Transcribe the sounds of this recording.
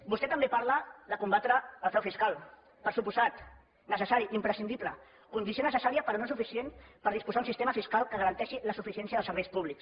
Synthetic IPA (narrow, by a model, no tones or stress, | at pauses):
bust̪ɛt̪əmbepaɾləðəkumbat̪ɾəəːlˠpɾɛwfiskalˠ | pəɾsupuzat̪ | nəsəsaɾiʔimpɾəsind̪iplə | kund̪isionəsəsaɾiəpəɾonosufisienpəɾð̞ispuzaunsist̪eməfiskalˠkəɣəɾənt̪ɛʃiləsufisiɛnijəðlˠsəɾβɛjspuβ̞liks